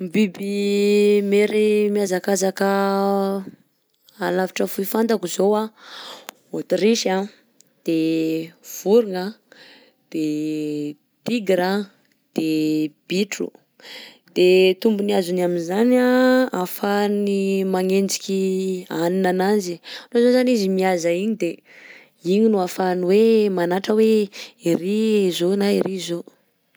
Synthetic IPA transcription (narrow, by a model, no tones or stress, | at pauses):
mbibi | meɾimiazakazakə | alaviʈ͡ʂəfuifant̪akuzowa | ot̪ɾiʃa | d̪̥e | v̥uɾiŋə | d̪̥e | t̪iɡɾa | d̪̥eb̥iʈ͡ʂṵ | d̪̥et̪umbuniazunaminzanaafanimaŋend͡ʒikʲianinananzianozozanizimiazaiɲid̪e | iɲinuafanwemanaʈ͡ʂəweirizonaiɾizo